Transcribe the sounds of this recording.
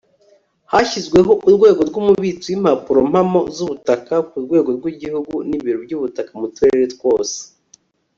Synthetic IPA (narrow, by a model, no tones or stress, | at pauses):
haçizɡwe̞ɦo̞ʔuɾɡwe̞ːɡo̞ɾɡumuβit͡suwim̥hapuɾo̞m̥hamo̞zuβutakakuɾɡwe̞ːɡo̞ɾɡwiɟihuɡuniβiɾobɟuːβutakamutuɾeeɾetɡwo̞ːse̥